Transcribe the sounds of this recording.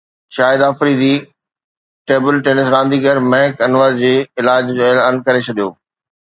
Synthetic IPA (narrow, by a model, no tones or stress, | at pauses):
ʃaːjɪd̪aːfɾid̪iː | ʈeːbɪlʈeːnɪsɾãːnd̪iːɡəɾmɛ̃ɦkɐnʋaːɾd͡ʑeːɪlaːd͡ʑelənkɐɾet͡ɕʰɐd̪ijo̰ː